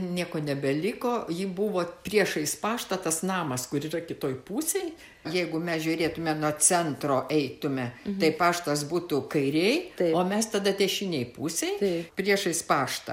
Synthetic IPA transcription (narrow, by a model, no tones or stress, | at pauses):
nʲiɛkoːnʲɛbʲɛlʲɪkoːjiːbuʋoːpʲɾʲiɛʃɐɪspɑːʃt̪ɐt̪ɐsnɑːmɐskʊɾiːrɐkʲɪt̪oːjpuːsʲɛj | jɛɪɡʊmʲɛsʒʲʊːɾʲeːt̪ʊmʲɛnoɔt͡sʲɛnt̪roːʔɛɪt̪ʊmʲɛt̪ɐɪpɑːʃt̪ɐs̬buːt̪ʊkɐɪɾʲɛɪt̪oːmʲɛst̪ɐd̪ɐt̪ʲɛʃʲinʲɛɪpuːsʲɛɪjt̪pʲɾʲiɛʃɐɪspɑːʃt̪ɐ̰